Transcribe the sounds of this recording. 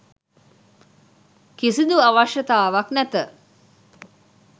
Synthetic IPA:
kisid̪uaʋaʃət̪aːʋaknæt̪ə

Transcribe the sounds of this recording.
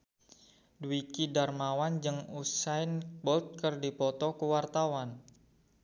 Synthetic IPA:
duikidarmawand͡ʒɨŋusajnbɔlt̪̚kərdipɔt̪ɔkuwart̪awan

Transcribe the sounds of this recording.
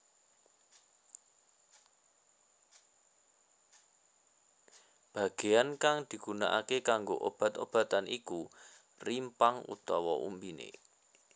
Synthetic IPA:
b̥a̤ɡ̥e̤ankaŋd̪̥i̤ɡ̥una̰ʔakekaŋɡoʔob̥ä̤t̪ob̥a̤t̪anʔiku | rimpaŋṵt̪ɔwɔʔṵmbinḛ

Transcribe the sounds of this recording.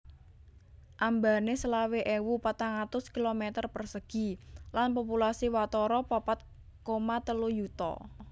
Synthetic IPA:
ʔambanesəlaweʔewupat̪aŋat̪ʊskilomɛt̪ərpərsəɡ̥i̤lanpopulasiwat̪ɔɾɔpɔpat̪̚ | komat̪əlujut̪ɔ̰

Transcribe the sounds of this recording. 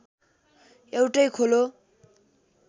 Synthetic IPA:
ewʈʌjkʰolo

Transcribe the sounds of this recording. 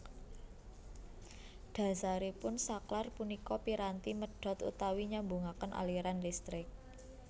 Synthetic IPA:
ɖ̥a̤saɾipʊnsaklarpunikɔpiɾant̪iməɖ̥ɔ̤t̪ṵt̪awiɲambuŋakənʔa̰liɾandist̪ɾɪk̚

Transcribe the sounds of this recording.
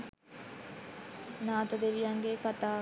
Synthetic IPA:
naːt̪əd̪eʋijɐŋɡekat̪aː

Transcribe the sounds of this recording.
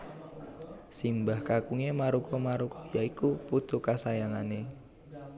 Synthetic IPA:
simbahkakuŋemaɾukʰɔmaɾukɔjaikuput̪ukasajaŋane

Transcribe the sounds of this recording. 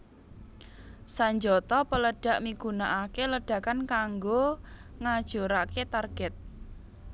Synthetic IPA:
saɲd͡ʒɔt̪ɔpələɖ̥ä̤ʔmiɡ̥ṳnaʔakeləɖ̥ä̤kankaŋɡoŋad̥ʒ̥o̤ɾaket̪arɡ̥ɛt̪̚

